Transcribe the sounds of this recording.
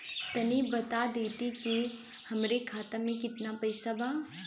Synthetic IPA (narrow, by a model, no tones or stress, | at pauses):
t̪ɐnibɐt̪ad̪eːt̪iki | hɐmɾekʰaːt̪amẽkɪt̪napɐɪsabaː